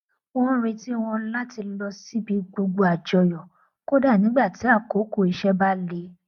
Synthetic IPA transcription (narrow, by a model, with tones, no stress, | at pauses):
o˦w̃ɔ̃˦ɾe˧ti˦w̃ɔ̃˧la˦ti˧lɔ˧si˦bi˧ɡ͡bo˧ɡ͡bo˧a˨d͡ʒɔ˧jɔ˨ | ko˦da˦˨nĩ˨˦ɡ͡ba˦˨ti˨˦a˦˨ko˨˦ko˦˨i˨˧ʃɛ˦ba˦le˧˦